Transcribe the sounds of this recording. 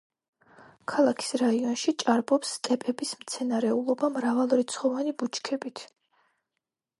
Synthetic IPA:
kʰalˠakʰi̥sɾaiɔnʃit͡ʃʼaɾbɔpsːt̪ʼɛpʼɛbismt̪sʰɛnaɾɛulˠɔbamɾavalˠuɾit̪sʰχɔvanibut͡ʃʰkʰɛbit̪ʰ

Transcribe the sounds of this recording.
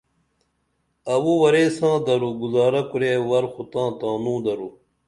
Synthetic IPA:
ɐwuwɐɾeːsãːd̪ɐɾuɡuzaːɾɐkuɾeːwɐɾxut̪ãːt̪ãːnũːd̪ɐɾu

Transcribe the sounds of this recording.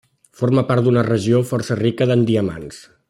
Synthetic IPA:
foɾməpaɾt̪d̪unərəʒiofɔrsərikəðənd̪iəma̰ns

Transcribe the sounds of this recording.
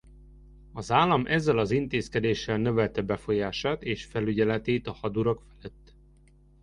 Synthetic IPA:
ɒzaːlːɒmʔɛzːɛlɒzint̪eːskɛd̪eːʃːɛlnø̞vɛlt̪ɛbɛfo̞jaːʃaːt̪eːʃfɛlyɟɛlɛt̪eːt̪ɒhɒd̪uɾɒkfɛ̥lɛt̪ː

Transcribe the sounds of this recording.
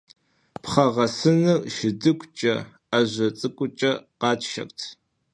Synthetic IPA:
pχɐʁɐsɨnɨrʃɪdɨkʷʰʼt͡ʃʼɐ̰ | aʑʷɐt͡sʼɨkʷʼʊt͡ʃʼɐqɑːt͡ʃʰʼʃɐ̰kʷʼtʰ

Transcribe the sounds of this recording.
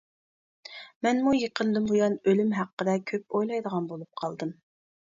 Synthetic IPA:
mɛnmujəqʰənd̪ɨmbujɑnølymɦæqːəd̪ɛkʲʰøp̚ojlˠɑjd̪əʁɑnbolˠup̚qʰɑlˠd̪ɨm

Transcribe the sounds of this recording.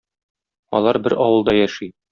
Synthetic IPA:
ɒ̰lˠɑɾbɘɾʔɒwɤ̆lˠd̪ɑjæʃi

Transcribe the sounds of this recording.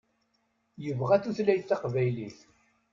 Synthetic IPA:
jəvʁæθuθlæjθːɑqvæjliθ

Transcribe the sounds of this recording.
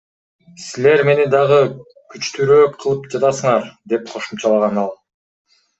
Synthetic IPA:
sile̞ɾme̞ned̪ɑʁɯ | kyt͡ʃt̪yɾøːqʰɯlˠɯpd͡ʒɑt̪ɑsɯɴɑɾd̪e̞p̚qʰo̞ʃumt͡ʃɑlˠɑʁɑnɑlˠ

